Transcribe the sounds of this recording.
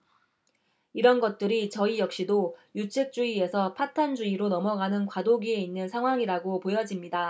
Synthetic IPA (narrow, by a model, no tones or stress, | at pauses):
iɾʌnɡʌt̚t͈ɯɾit͡ɕʌijʌk̚ɕ͈idojut͡ɕʰek̚t͡ɕ͈uie̞sʰʌpʰatʰand͡ʑuiɾonʌmʌɡanɯnkwadoɡie̞inːɯnsʰaŋɦwaŋiɾaɡopojʌd͡ʑimɲida